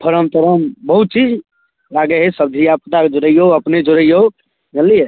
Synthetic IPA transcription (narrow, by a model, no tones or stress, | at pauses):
pʰəɾəmt̪əɾəmbəɦut̪̚t͡ʃid͡ʒ | laɡeɦesəb̚d̪ʱijapət̪aked͡ʒoɾəjoəpned͡ʒoɾəjo | məlije